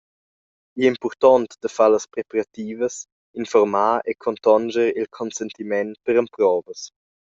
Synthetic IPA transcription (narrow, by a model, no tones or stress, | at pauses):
iimpɔrt̪ɔnt̪d̪̥əfaləspɾepaɾat̪iːvəs | infɔɾmaːekʰɔnt̪ɔnd͡ʒəɾilkʰɔnsɛnt̪imɛnpəɾəmpɾɔːvəs